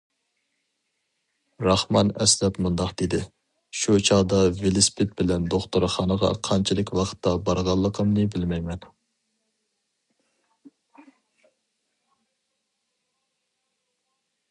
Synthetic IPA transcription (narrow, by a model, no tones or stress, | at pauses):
ɾɑχmɑnɛslɛt̪mund̪ɑqd̪̥ed̪ɪ | ʃut͡ʃʰɑʁd̪ɑvelɪspʰɪt̪̚bɪlɛnd̪oχt̪oɾχɑnəʁɑ̰qʰɑnt͡ʃʰilˠɪkʲwɑqʰə̥t̪ːɑbɑɾʁɑlˠːəqʰəmnɨbɪlmɛjmɛn